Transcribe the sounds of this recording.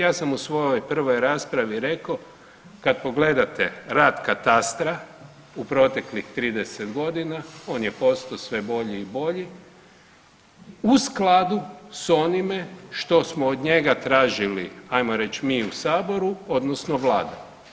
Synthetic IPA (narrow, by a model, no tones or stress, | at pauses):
jaːsamusʋo̞joojpr̩ʋo̞jɾaːspɾaʋiɾe̞ko | kad̪̚po̞ɡle̞d̪at̪eɾaːd̪kat̪ast̪ɾa | upɾo̞t̪e̞klixt̪ɾiːd̪eset̪ɡo̞d̪inao̞ːnjepo̞st̪osʋe̞bo̞ʎiːbo̞ʎi | usklˠad̪uso̞nimeʃt̪o̞smoːd̪ɲe̞ɡat̪ɾaːʒiliajmo̞ɾe̞t͡ɕmiːusaːbo̞ɾuo̞d̪nosnoʋlaːd̪a̰